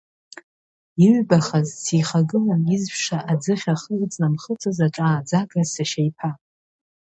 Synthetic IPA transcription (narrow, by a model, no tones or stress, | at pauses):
iɥbaχazsiχaɡɨlanizpʰʂaʔad͡zɨχʲaχət͡sʼnamχət͡sʰʼazaʈ͡ʂʼaːd͡zaɡʼazsaʃejpʰa